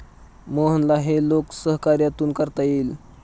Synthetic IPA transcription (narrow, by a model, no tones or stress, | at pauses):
moɦənlaɦeloksəɦkaɾjat̪uːnkəɾt̪ail